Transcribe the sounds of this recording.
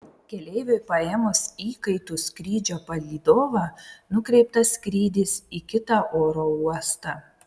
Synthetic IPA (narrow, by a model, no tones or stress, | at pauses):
kʲɛlʲɛɪʋʲʊɪpɐeːmʊsiːkɐɪt̪ʊsʲkɾʲiːd͡ʒʲoːpɐlʲiːd̪oːʋɑːnʊkɾʲɛɪpt̪ɐsʲkɾʲiːd̪ʲɪsikʲɪt̪ɑʔoːɾoːuɔst̪ɑ